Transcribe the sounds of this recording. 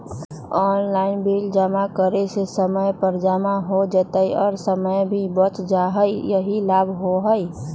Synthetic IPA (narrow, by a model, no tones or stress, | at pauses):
ɔːnlaːɪnbild͡ʒamakəɾesesəməjpəɾd͡ʒamaɦod͡ʒət̪əiɔːɾsəməjbʱibət͡ʃd͡ʒaɦəijəɦilaːbʱɦoɦəi